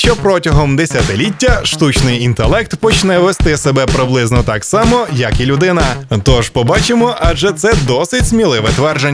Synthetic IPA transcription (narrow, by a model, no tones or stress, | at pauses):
ʃt͡ʃɔpɾɔtʲɐɦɔmd̪esʲɐt̪ɪlʲitʲːɐʃt̪ut͡ʃnɪjint̪elˠɛk̚t̪pɔt͡ʃnɛʋest̪ɪsebɛpɾɪblˠɪznɔt̪ɑksɑmɔjɐkilʲʊd̪ɪnɐt̪ɔʒpɔbɑt͡ʃemɔʔɐd͡ʒɛt̪sɛd̪ɔsɪtʲzmʲilˠɪʋɛt̪ʋɛrʒe